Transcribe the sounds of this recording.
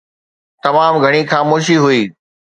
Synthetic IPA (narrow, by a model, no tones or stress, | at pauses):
t̪ɐmaːmɡʱɐɽ̃ixaːmoːʃ̬iɦʊiː